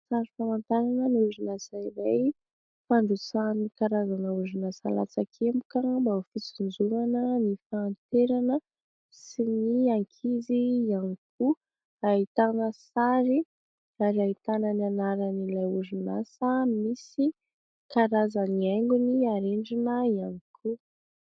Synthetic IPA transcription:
saɾifamant̪aɾanəniuzunasaiɾaj | faɳɖ͡ʐut͡sanikaɾazanəuzunasa̰la̰t͡sakʰemu̥kəbaufit͡sund͡zuŋanənifaːnt̪eɾanə | siniaŋkʰizijaniku | aɦit̪anəsaɾi | aɾiait̪anənianaɾanilajuzunasəmisi | kaɾazaniaŋɡuniaɾeɳɖ͡ʐinəianikʰu

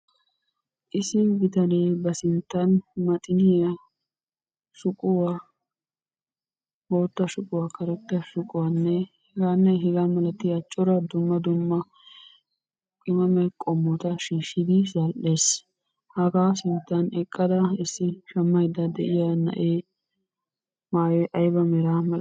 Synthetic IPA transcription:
ʔɪsɪbɪt̪ɐneːbɐsɪnt̪ːɐnmɐt̪ʼɪnɪjɐ | ʃʊkʼʊwa | boːt̪ːɐʃʊkʼʊwaːkɐɾɛt̪ːɐʃʊkʼʊwanːɛhɛɡaːnːɛɦɛɡaːmɐlɐt̪ːɪjɐt͡ʃʼːɔɾɐd̪ʊmːɐd̪ʊmːɐ | kʼɪmɐmɛkʼɔmːɔt̪ɐʃiːʃːɪd̪ɪzɐlʔeːs | hɐɡaːsɪnt̪ːɐnɛkʼːɐd̪ɐɪsːɪʃɐmːɐjd̪ɐd̪ɛʔɪjanɐ̰ʔeː | maːjɛʔɐjbɐmɛɾaːmɐ

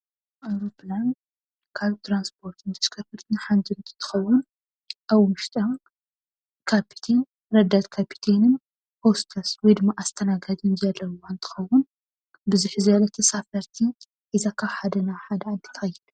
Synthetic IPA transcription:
ʔawɾopʰlan | kʰaβt̪ʰɾanspʰo̞ɾt̪ʰɨnd̪ɐskʰɐfɨɾt̪nɨħand̪ʰɨnt̪ʰɨ̥t̪ʰɨ̥xɐwːʊn | ʔaβmɨʃt̪ʼɐ | kʰapʰi̥t̪ʰen | ɾɐd̪ːat̪kʰapʰi̥t̪ʰenɨn | host̪ʰɐswɔjd̪ɨmːaʔast̪ʰɐnaɡazinzɐlːɐwuant̪ʰɨ̥xɐwːʊn | bɨzuħzɐlɐt̪ʰɐsafɐɾt̪ʰi | ʔizakʰaβħad̪ɐnaħad̪ɐnd̪ʰɨ̥t̪ʰɐjɛlu

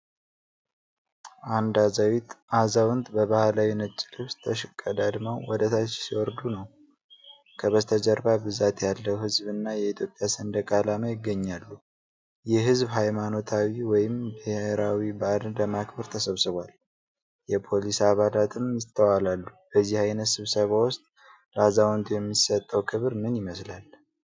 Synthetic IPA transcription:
ʔand̪azawit̪azawnt̪bəβahalawinət͡ʃʼːɪlɨβst̪ʰəʃɪkʼːəd̪ad̪mawwɔd̪ət̪ʰat͡ʃːsiwɔɾd̪unəw | kʰəβəst̪ʰəd͡ʒəɾbabɨzat̪jalːəwhɨzbɨnːajɛit̪ʰjo̞pʼjasənd̪əkʼalaməjɪɡːəɲːalːu | jɛɦɨzbɦajmano̞t̪ʰawiwɔjɪmbɨheɾawibad̪d̪əmakbəɾt̪ʰəsəβsɨβʷal | jɛpʰo̞lisaβalat̪ʰɨmjɪt̪ʰːəwalalːub̥əzːihajnət̪sɨβsəβawʊst̪ʼ | lazawɔnt̪ʰujɛmːisət̪ʼːəwkʰɨβɾɨnɨnjɪməslal

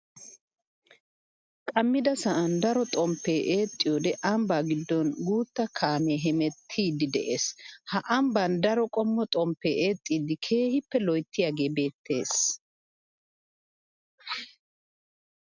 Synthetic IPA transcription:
kʼɐmːɪd̪ɐsɐʔɐnd̪ɐɾɔt̪ʼɔmpːeːʔeːt̪ʼːɪjɔːd̪ɛʔɐmbaːɡɪd̪ːɔnɡuːt̪ːɐkʰaːmeːɦɛmɛt̪ʰːiːd̪ɪd̪ɛʔe̞ːshɐʔɐmbɐnd̪ɐɾɔkʼɔmːɔt̪ʼɔmpːeːʔeːt̪ʼːiːd̪ɪkʰe̞ːhɪpːɛlɔjt̪ʰːɪjaːɡe̞ːbe̞ːt̪ʰːe̞̰ːs

